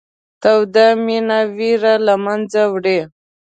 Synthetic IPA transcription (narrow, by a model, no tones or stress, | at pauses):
t̪awd̪aminawiɾalamand͡zawɽe